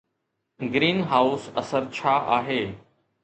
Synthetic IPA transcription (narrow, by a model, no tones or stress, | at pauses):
ɡɾiːnɦaːʊsɐsəɾt͡ɕʰaːʔaːɦeː